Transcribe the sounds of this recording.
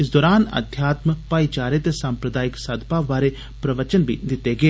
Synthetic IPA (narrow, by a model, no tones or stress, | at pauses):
ɪs̬d̪ɔːɾaːnɐ̰d̪ʱjaːt̪mpaːit͡ʃaːɾet̪esãːmpɾəd̪aːjɪksɐd̪paʋaːɾe | pɾɐʋət͡ʃənbʱḭd̪ɪt̪eɡeː